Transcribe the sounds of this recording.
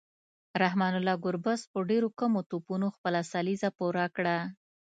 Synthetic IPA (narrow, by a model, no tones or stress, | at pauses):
ɾahmɑnʊlɑɡʊɾbaspəɖeɾokamot̪opunoxpəlasalizapuɾakɽa